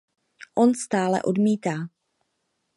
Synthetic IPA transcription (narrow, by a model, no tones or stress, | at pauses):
ʔo̞nst̪aːlɛ̰ʔo̞dmiːt̪aː